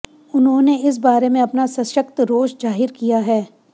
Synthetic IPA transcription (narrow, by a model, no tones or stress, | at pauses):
ʊnɦõneɪs̬baːɾemẽɐpnasɐ̃ʃəkt̪ɾoːʃd͡ʒaːɦɪɾkijaɦɛː